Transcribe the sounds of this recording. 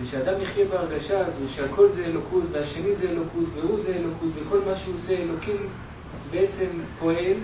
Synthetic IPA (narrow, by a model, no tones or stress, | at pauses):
eʃead̪amiχjebeaʁɡaʃaːzuʃealkʰo̞lzeelokʰutveaʃe̞nizeːlo̞kʰut̪veuzeelo̞kut̪veko̞lmaʃeuoseelo̞kim | beet͡se̞mpʰo̞e̞l